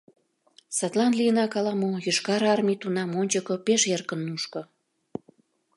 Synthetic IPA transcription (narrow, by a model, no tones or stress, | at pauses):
sɑt̪lɑnliənɑkɑlɑmojyʃkɑɾɑrmʲit̪unɑmonʲt͡ɕəkŏpeʃerkənːuʃkŏ